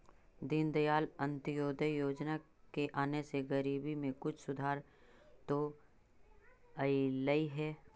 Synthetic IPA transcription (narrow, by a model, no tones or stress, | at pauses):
d̪ɪnd̪əjaːlə̃nt̪əjoːd̪ʱəjoːd͡ʒna | keʔaːneseɡəɾiːbimẽkʊt͡ʃʰsʊd̪ʱaːɾ | t̪o | əiləiɦɛː